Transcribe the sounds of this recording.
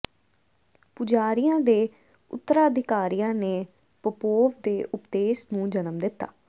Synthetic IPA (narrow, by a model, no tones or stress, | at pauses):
pʊd͡ʒaːɾijãːd̪eː | ʊ̰t̪ːəɾaːəd̪ɪkaːɾijãːneː | pəpoːʋd̪eːʔʊpd̪eːsnũːd͡ʒənəmd̪ɪt̪ːa̰ː